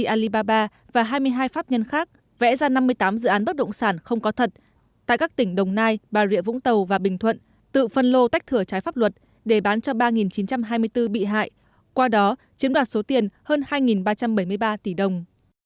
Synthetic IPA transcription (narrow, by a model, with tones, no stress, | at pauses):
i˧ʔaː˧li˧ɓaː˧ɓaː˧ | vaː˨˩ɦaː˧jmɨ˧əjɦaː˧jfaː˦˥p̚ɲə˧nxaː˦˥k̚ | vɛ̰˧˥zaː˧na˧mːɨ˧əjt̪aː˨˦mzɨ̰˧˨ʔaː˨˦nɓə˦˥t̚ɗə̰˧˨wŋ͡msaː˧˩nxə˧wŋ͡mkɔ˨˦t̪ʰə˨˩t̚ | t̪a̰ː˧˨jkaː˦˥k̚t̪ï˧˩ŋ̟ɗə˨˩wŋ͡mnaː˧jɓaː˨˩zḭ˧˨əvʊ̰˧˥ŋ͡mt̪ə˨˩wvaː˨˩ɓï˨˩ŋ̟t̪ʰwə̰˧˨n | t̪ɨ̰˧˨fə˧nlo˧t̪a˦˥k̚t̪ʰɨ˧˩ət͡ɕaː˨˦jfaː˦˥p̚lwə˨˩t̚ | ɗe˧˩ɓaː˨˦nt͡ɕɔ˧ɓaː˧ŋi˨˩nt͡ɕi˨˦nt͡ɕa˧mɦaː˧jmɨ˧əjt̪ɨ˧ɓḭ˧˨ɦa̰ː˧˨j | kwaː˧ɗɔ˨˦t͡ɕi˨˦ənɗwaː˨˩t̚so˨˦t̪i˨˩ənhəː˧nhaː˧jŋi˨˩nɓaː˧t͡ɕa˧mɓə˧˩jmɨ˧əjɓaː˧t̪i˧˩ɗə˨˩wŋ͡m